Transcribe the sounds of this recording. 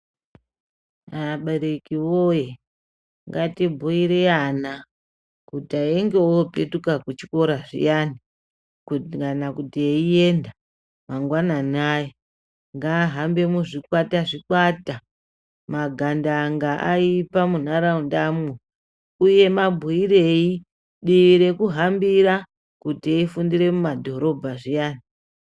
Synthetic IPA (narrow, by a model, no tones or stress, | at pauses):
aɓeɾekiwoje | ŋɡatibʱuiɾeana | kutaeŋɡewopetukakut͡ʃiko̞ɾaʐḭjani | kukanakutieie̞nda | maŋɡwananaje | ŋɡaːɦambe̞muʐikwataʐikwata | maɡʱandaŋɡaʔa̰ipamun̤aɾaundamu | uje̞mabʱuiɾe̞i | ɗiʋiɾe̞kuɦambiɾa | kutieifundiɾe̞mumadʱo̞ɾo̞bʱaʐijaːni